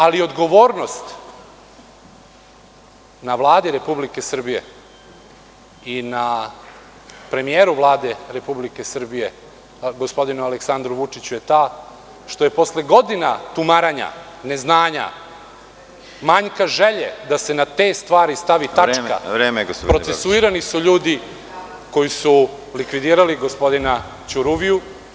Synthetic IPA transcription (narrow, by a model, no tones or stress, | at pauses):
alio̞d̪ɡo̞ʋoːɾno̞st̪ | naʋlˠaːd̪iɾe̞publike̞sr̩bije̞̰ | ina | pɾe̞mijeːɾuʋlˠaːd̪e̞ɾe̞publike̞sr̩bije̞ | ɡo̞spo̞d̪inualeksand̪ɾuʋut͡ʂit͡ɕuje̞t̪aː | ʃt̪o̞je̞po̞sleɡo̞d̪inat̪umaɾaɲa̰ne̞znaːɲa̰ | maɲkaʒeʎed̪ase̞nat̪e̞st̪ʋaːɾist̪aʋit̪at͡ʃːka̰ɾeːmɡpɾo̞esuiɾanisuʎuːd̪i | ko̞jisu | likʋid̪iːɾaliɡo̞spo̞d̪ina | t͡ɕuɾuʋiju